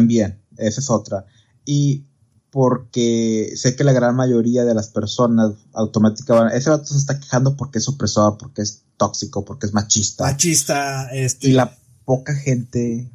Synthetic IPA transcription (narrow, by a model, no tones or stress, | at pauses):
mbjen | e̞saeso̞t̪ɾa | i | po̞ɾkese̞ke̞laɣɾanmaʝo̞ɾiaðe̞laspe̞ɾso̞nasawt̪o̞mat̪ikaβanʔe̞seðat̪oses̬t̪akexand̪o̞po̞ɾkeesopɾe̞soðapo̞ɾkeest̪o̞ksikopo̞ɾkeezmat͡ʃist̪at͡ʃist̪aesila | po̞kaxe̞nt̪e̞